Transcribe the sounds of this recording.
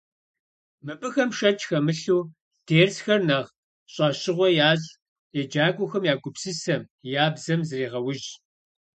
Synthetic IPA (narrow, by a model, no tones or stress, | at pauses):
mɨpʼɨxɐmʃɐt͡ʃʼxɐmɨɬuː | d̥ʰeːrsxɐrnɐʁ | ɕʼɑːɕɪʁʷɔjaːzʼ | jɛd͡ʒaːɡʷʼʊxɐmjaːɡʷʊpsɨsɐmjaːbzɐmzɨriːʁɐwʊʒ